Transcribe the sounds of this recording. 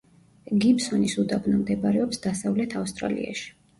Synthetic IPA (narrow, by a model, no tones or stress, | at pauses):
ɡipsɔnisud̪abnamd̪ɛbaɾɛɔpsd̪asavlɛt̪ʰafst̪ʼɾa̰lḭa̰ʃi̥